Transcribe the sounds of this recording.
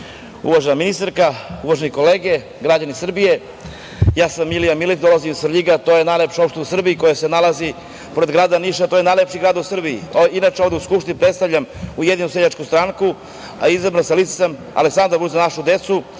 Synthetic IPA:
ṵʋaʒenaminist̪aɾkauʋaʒeniko̞le̞ːɡe̞ | ɡɾad͡ʑanisr̩bije̞ | jaːsamːilijamilit̪d̪o̞lˠazimisɾʎiɡat̪ojenajlepʃaopʃt̪eusr̩bijiko̞jasenalazi | poɾed̪ɡɾaːd̪aniʃat̪oje̞najlepʃiɡɾaːd̪usr̩biiinat͡ʃeo̞vd̪euskupʃt̪inipɾet̪st̪aʋʎamujed̪inuseʎat͡ʃkust̪ɾaːŋku | a̰izabɾanselit̪e̥sam | a̰leksand̪ɾaɾbuzanaʃud̪e̞t̪su

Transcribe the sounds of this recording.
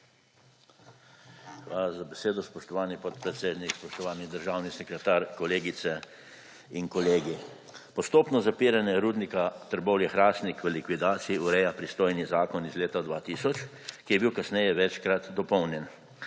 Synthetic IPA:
xʋaːlazabɛseːd̪ɔspɔʃt̪ɔʋaːnipɔt̪pɾɛt̪seːd̪nikspɔʃt̪ɔʋaːnid̪əɾʒaːwnisɛkɾɛt̪aːɾkɔleːɡit̪sɛ | inkɔleːɡi | pɔst̪oːpnɔzapiːɾanjɛɾuːd̪nikat̪əɾbɔwljɛxɾaːst̪nikʋəlikʋid̪aːt̪siiuɾɛjapɾist̪oːjnizaːkɔnizleːt̪ad̪ʋat̪iːsɔt͡ʃ | kijɛbiwkasnɛjɛʋɛt͡ʃkɾat̪d̪ɔpɔwnjɛn

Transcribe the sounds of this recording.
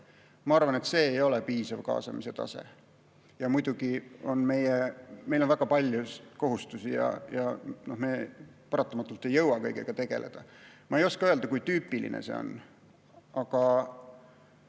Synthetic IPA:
mɑɑrvɑne̞t̪se̞ːjo̞lepiːsɑvkɑ̰ːsɑ̰mise̞t̪ɑ̰sḛ | jɑmujd̪̥uɡ̥io̞nme̞jeme̞jlo̞nvæɡ̥ɑpɑlʲjuko̞ɦust̪usijɑ̰jɑno̞hmepɑɾɑt̪ːˑɑmɑt̪ːˑult̪ːˑe̞jːɤwɑkɤjɡ̥ḛɡ̥ɑt̪e̞ɡ̥e̞̰le̞̰d̪̥ɑmɑe̞jo̞skɑøeld̪ɑkujt̪yːpːˑilḭnḛsḛo̰n | ɑkɑ

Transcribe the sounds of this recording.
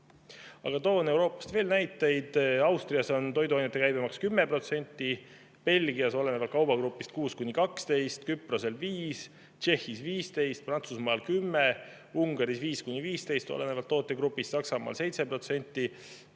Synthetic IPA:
ɑ̰ɡ̥ɑt̪o̞ːne̞wɾo̞ːpːˑɑ̥st̪ve̞ːlnæjt̪ːˑejd̪̥ɑwst̪riɑso̞nt̪o̞jd̪uɑjnet̪ːˑe̞kæjb̥emɑkskymːe̞pro̞t̪se̞nʲt̪ːˑi | pe̞lɡ̥iɑso̞le̞nevɑlt̪̚kɑwb̥ɑɡ̥ɾupːˑist̪kuːskunʲːikɑkst̪e̞jst̪kypːro̞se̞lviːs | t͡ʃe̞hːisviːst̪e̞jst̪̚prɑnt̪susmɑːlkymːe | uŋɡ̥ɑɾisviːskunʲːiviːst̪e̞jst̪o̞̰le̞nevɑlt̪ːo̞ːt̪ːˑe̞ɡrupːˑist̪sɑksɑmɑ̰ːlse̞jt̪se̞pro̞t̪se̞nʲt̪ːˑi

